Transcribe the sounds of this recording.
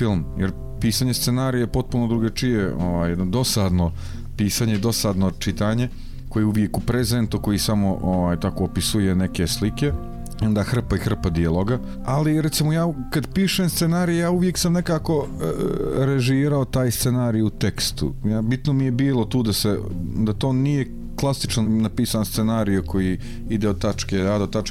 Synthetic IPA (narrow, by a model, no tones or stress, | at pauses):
filˠmjeɾ | piːsaːɲest̪senaːɾijepo̞t̪̚punod̪ɾuɡat͡ʃijeʔoʋaːjed̪nod̪o̞sad̪no̞ | piːsaɲed̪o̞sad̪not͡ʃit̪aɲe̞ | kojeuʋje̞kupɾezent̪uko̞jisamo̞ʔoʋaːjt̪ako̞ːpisujeneke̞slike̞ | ond̪axr̩paixr̩pad̪ialˠoɡa | aliɾet̪simojaːkad̪piːʃemst̪senaːɾijejaːuʋje̞ksamne̞kaːko̞ | ɾeʒiːɾaot̪aːjst̪senaːɾijuut̪e̞kst̪ṵjaːbit̪nomije̞biːlˠot̪uːd̪ased̪at̪o̞ːnije̞ | klˠasit͡ʃnonapiːsaːnst̪senaːɾijuko̞ji | id̪eod̪̚t̪at͡ʃked̪ad̪ot̪at͡ʃ